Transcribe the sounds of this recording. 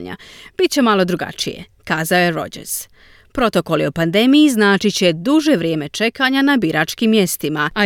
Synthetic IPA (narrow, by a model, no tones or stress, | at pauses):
ɲa̰b̥it̪̚t͡ɕe̞malˠo̞d̪ɾuɡa̰t͡ʃije̞̰kaːzaoje̞ɾo̞̰d͡ʑḛɾz̥ | pɾo̞t̪o̞ko̞liopand̪e̞mijiznaːt͡ʃit͡ɕe̞d̪uʒe̞ʋɾʲjeːme̞t͡ʃe̞kaɲanabiɾʔaːt͡ʃkimːje̞st̪imaa